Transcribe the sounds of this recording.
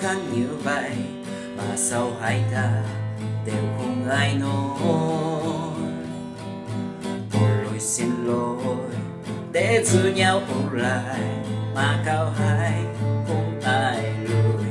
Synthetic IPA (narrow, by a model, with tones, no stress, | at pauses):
xa˧˥ŋɲɨ˨˦va˧j | maː˨˩sa˧wɦa˨˦jt̪ʰa˧ɗe˨˩wki˧˦ŋa˧jnɔ˧˦˧ | ʔo˨˩jlo˨˩jsi˧nlo˧˩˧j | ɗe˧˥zɨ˧˦ɲa˧wʔu˧la˧˩˨jmaː˨˩kaː˧wɦaː˧˦jʔo˨˩taː˧˩jlo˧˩j